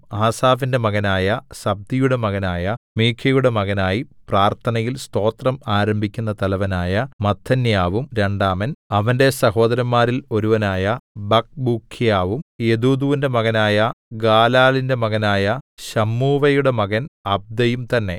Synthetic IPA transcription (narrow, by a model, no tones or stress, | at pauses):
aːsaːfinde̞mɐɣɐnaːjɐsɐb̚d̪ijuɽe̞mɐɣɐnaːjɐmiːkʰːɐjuɽe̞mɐɣɐnaːjipraːrt̪ʰɐnɐjilst̪o̞ːt̪rɐmaːɾɐmbʱikʲːunːɐt̪ɐlɐʋɐnaːjɐmɐt̪ʰːɐnjaːʋumɾe̞ɳɖaːmɐnɐʋɐnde̞sɐɦo̞ːd̪ɐɾɐmːaːɾilo̞ɾuʋɐnaːjɐbɐk̚bukʰːjaːʋume̞d̪uːd̪uʋinde̞mɐɣɐnaːjɐɡaːlaːlinde̞mɐɣɐnaːjɐɕɐmːuːʋɐjuɽe̞mɐɣɐnɐb̚d̪ɐjumt̪ɐnːe̞̰